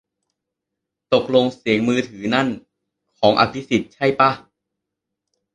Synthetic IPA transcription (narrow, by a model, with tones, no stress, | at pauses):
t̪o˨˩k̚lo˧ŋsi˨˩˦əŋmɯː˧t̪ʰɯː˩˦na˥˩n | kʰɔː˩˦ŋʔa̰˧˩pʰi˦˥si˨˩t̪̚t͡ɕʰa˥˩jpa˧˥˩